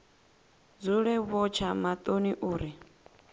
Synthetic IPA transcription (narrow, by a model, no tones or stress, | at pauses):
d͡zuɺɛβɔt͡ʃʰamat̪ʼoniʔuːɾi